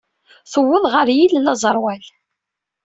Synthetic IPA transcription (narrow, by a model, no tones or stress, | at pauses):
θəwːəðˤʁəɾjillɑzˤəɾˤwæl